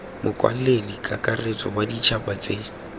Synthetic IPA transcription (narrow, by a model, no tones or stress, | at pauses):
mʊkʼwa̰l̩lelikʼakʼaret͡sʼɔwadit͡ʃʰapat͡sʼe